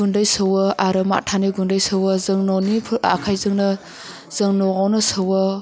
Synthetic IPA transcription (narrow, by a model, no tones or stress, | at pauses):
undajsɯwɐaɾɯma̰tʰaniɡundajsɯwɐzɯŋnɔnipʰa̰kʰajzɯŋnɐ | z̥ɯŋnɔɣawnɐsɐwɐ